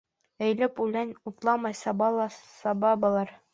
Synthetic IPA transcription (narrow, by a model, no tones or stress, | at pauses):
æ̆jlɘpulænʲut̪lˠɑmɑjsɑbɑlˠɑsɑbɑbɤ̆lˠɑɾ